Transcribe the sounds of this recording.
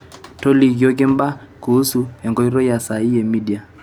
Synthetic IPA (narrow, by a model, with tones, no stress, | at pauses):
tɔ˦li˨kjɔ˦kɪ˦m˦ba˦ | ku˨u˦su˨hɛ˨ŋɡɔ˦i˦ɾɔ˦ja˨sa˨i˦ɛ˨mi˦di˨a˨